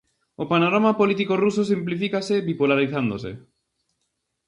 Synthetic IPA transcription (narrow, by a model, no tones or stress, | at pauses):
opanoɾamapolit̪̬ikorusosimplifikasɪβipulaɾiθand̪osḛ